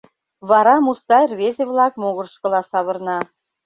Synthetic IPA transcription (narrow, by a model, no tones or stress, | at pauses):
βɑɾɑmust̪ɑjrβezeβlɑkmoɣə̆rʃkɤ̆lɑsɑβɤ̆rnɑ